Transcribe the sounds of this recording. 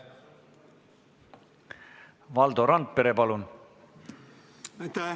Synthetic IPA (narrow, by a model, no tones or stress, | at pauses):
vɑld̪oɾɑnd̪̚pe̞ɾe̞pɑlun | t̪